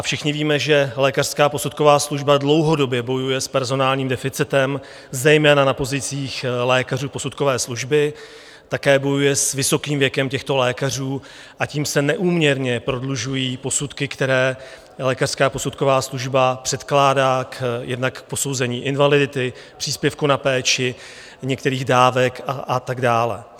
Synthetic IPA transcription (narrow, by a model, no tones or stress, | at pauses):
ʔafʃɪxɲɪviːmɛʒɛlɛːkar̥skaːpo̞sut̪̚ko̞vaːsluʒbadlo̞wɦo̞do̞bjɛbo̞jujɛspɛɾzo̞naːlɲiːmdɛfɪt͡sɪt̪ɛm | zɛjmɛːnanapo̞zɪt͡siːxlɛːkaruːpo̞sut̪̚ko̞vɛːsluʒbɪ | t̪akɛːbo̞jujɛsvɪso̞kiːmvjɛkɛmcɛxt̪o̞lɛːkar̝uː | ʔaciːmsɛnɛʔuːmɲɛɾɲɛpɾo̞dluʒujiːpo̞sut̪kɪkt̪ɛɾɛː | lɛːkar̥skaːpo̞sut̪ko̞vaːsluʒbapr̥ɛt̪klaːdaːkjɛdnakpo̞so̞wzɛɲiːʔɪnvalɪdɪt̪ɪ | pr̥iːspjɛfkunapɛːt͡ʃɪ | ɲɛkt̪ɛɾiːɣdaːvɛkaʔat̪aɡdaːlɛ̰